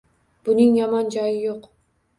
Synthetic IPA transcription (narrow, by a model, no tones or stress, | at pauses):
b̥ʊnɪŋjɒmɒnd͡ʒɒjɪjoq